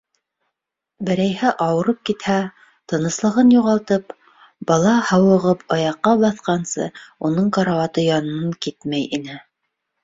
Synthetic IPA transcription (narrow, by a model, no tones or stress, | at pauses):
bɘ̆ɾæjhɘʔɑwɤ̆ɾɤp̚kit̪hæ | t̪ɤ̆nɤ̆slˠɤ̆ʁɤnjuʁɑlˠt̪ɤp | bɑlˠɑhɑwɤ̆ʁɤpʰɑjɑqːɑbɑθqɑnsɤ̰unɤɴqɑɾɑwɑt̪ɤjɑnɤ̆ɑɴkit̪mæjinɘ